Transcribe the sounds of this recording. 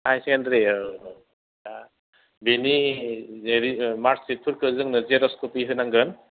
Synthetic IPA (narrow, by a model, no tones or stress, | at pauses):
ajsiŋandɾe | a | beni | eɾimaɾsit̚pʰɯɾkʰɯzɯŋnɯzeɾɔskʰɔpiɦɯnaŋɡɯn